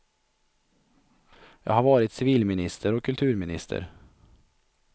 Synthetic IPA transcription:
jɑ̰ːɡhaɾvɑːɾɪt̪sɪviːlmɪnɪst̪ʰəɾɔkʰːɵlt̪ʰʉːɾmɪnɪ̰st̪ʰə̰ɾ

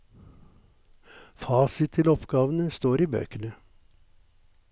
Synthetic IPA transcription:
fɑːsɪt̪t̪ʰɪlɔpɡ̥ɑːʋən̩əst̪oːɾiːbø̰ːkənə

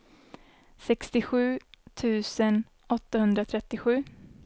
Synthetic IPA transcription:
sɛkst̪ɪɧʉ̟ːt̪ʰʉ̟ːsən | ɔt̪ːahɵnd̪ɾat̪ʰɾɛt̪ːɪɧʉ̟ː

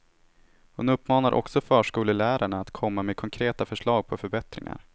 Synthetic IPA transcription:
hʊnɵpːmɑːnaɾʔɔ̰ksɔfœːʂkuːləlæːɾaɳaːt̪kʰɔmːameːkʰɔŋkʰɾeːt̪afœʂɭɑːɡ̚pʰɔfœɾbɛt̪ɾɪ̰ŋa̰ɾ

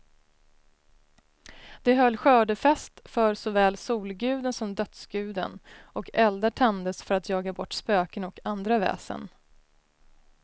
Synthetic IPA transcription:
d̪̥ɛɦœlːɧœːɖəfɛst̪fœɾsɔvɛːlsuːlɡʉ̟ːd̪ənsɔmd̪œt̪sɡʉ̟ːd̪ə̰nɔkɛld̪əʈʰɛnd̪əsfœɾat̪jɑːɡabɔʈːspøːkənɔkand̪ɾavɛ̰ːsə̰n

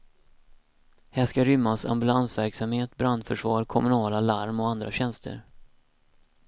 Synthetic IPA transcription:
hɛːʂkaɾʏmːasa̰mbɵlansvæɾksamheːt̪bɾand̪fœʂvɑːɾkʰɔmɵnɑːlalaɾmɔand̪ɾaɕɛnst̪ʰə̰ɾ

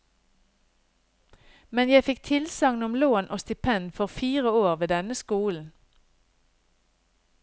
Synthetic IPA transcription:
mɛnjæɪfɪkt̪ʰɪlsɑŋnʊmloːnʔoːst̪ʏpʰɛnfɔʁfiːʁəoːʁʋeːd̪ɛnəskuːln̩

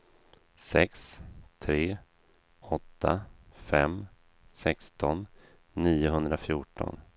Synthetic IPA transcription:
sɛkst̪ʰɾeː | ɔt̪ʰːafɛm | sɛkst̪ɔnː | iːʊɦɵnd̪ɾafjuːʈɔ̰n

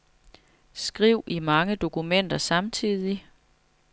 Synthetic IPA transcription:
sɡ̥ʁiʊ̰ʔimɑ̈ŋəd̥o̝kʰumen̰d̥ɐsɑ̈mt͡sʰið̰ˠi

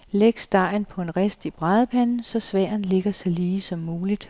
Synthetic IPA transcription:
leɡ̥sd̥ɑ̈ɪ̰n̩pʰɒ̽e̝nʁesd̥ib̥ʁɑːð̞ˠəpʰænn̩sɒ̽sʋæːɐ̰n̩le̝ɡ̥ɐsɑliːsɒ̽mːuːlid̥

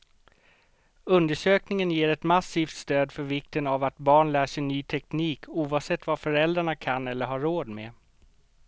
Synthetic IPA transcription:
ɵnd̪əʂøːknɪŋənjeːɾɛt̪masiːft̪st̪øːd̪fœɾvɪkt̪ənavat̪bɑːɳlæːʂɛnyːt̪ʰɛkniːkʰuːvaːvsɛt̪ːvafœɾɛld̪ɾaɳakʰanːɛlːəɾɦaɾoːd̪me

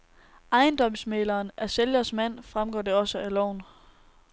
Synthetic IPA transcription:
ɑ̈ɪnd̥ɒ̽m̰smelɐːnæɐseljɐsmæn̰fʁamɡ̥ɒ̰ːd̥e̝ɒ̽səʔælɒʊ̰n

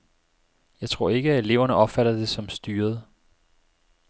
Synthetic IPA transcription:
jɑ̈ɪt͡sʰʁo̝ɐ̰e̝ɡ̥əæe̝le̝ʊɐnəʔɒ̽b̥fæɾ̥ɐd̥e̝sɒ̽msd̥yːɐð̞ˠ

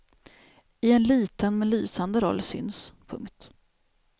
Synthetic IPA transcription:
ɪɛnliːt̪ənmɛnlyːsand̪əɾɔ̰lːsʏ̰nspʰɵ̰ŋkt̪

